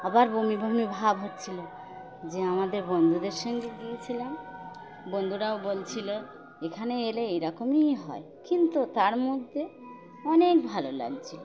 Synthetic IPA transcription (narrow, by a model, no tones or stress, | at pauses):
abaɾbomibʱɔmibʱabɦot̪t͡ɕʰilo | d͡ʒeamad̪eɾbond̪ʱud̪eɾʃɔŋɡeɡ̪ijet͡ɕʰilen | bond̪ʱuɾaobolt͡ɕʰilɔ | ekʰaneeleejɾɔkomijɦɔe | kint̪ut̪aɾmod̪ʱːe | ɔnek̚bʱalola̰ɡt͡ɕʰi